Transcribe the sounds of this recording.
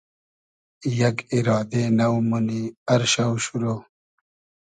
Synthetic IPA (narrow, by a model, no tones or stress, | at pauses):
jɐkiɾɑːd̪enɐwmuniɐɾɕɐwɕuɾoː